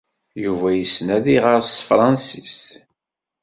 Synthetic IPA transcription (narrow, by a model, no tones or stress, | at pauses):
juvæjəsnæðiʁɑɾˤsfɾˤɑnsist̪